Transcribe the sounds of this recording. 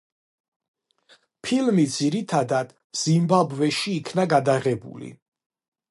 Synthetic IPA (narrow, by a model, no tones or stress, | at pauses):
pʰilmid̪ziɾit̪ʰad̪ad̪̥ | z̥imbabvɛʃiːkʰnaɡad̪aʁɛbṵlḭ